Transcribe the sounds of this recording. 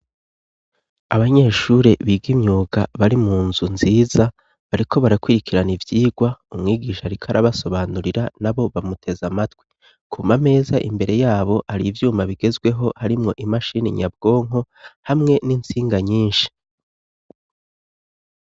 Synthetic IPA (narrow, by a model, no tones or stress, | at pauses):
aβaɲe̞ːʃuɾe̞βiɡimɲuːɡa̰βaɾimuːnzunziːza | βaɾiko̞βaɾakwiɾikʰiɾanivjiːɡwaumŋiːɡiːʃaɾikʰaɾaβaso̞βaːnuɾiɾanaβo̞βamutʰe̞zamatwi | kʰumame̞ːzaʔimbe̞ɾe̞jaːβo̞haɾivjuːmaβiɡe̞zɡwe̞ɦo̞haɾimŋo̞ʔimaʃiːniɲab̚ɡ̥o̞ːŋ̥o̞ | hamŋe̞nint͡siːŋɡaɲiːnʃi̥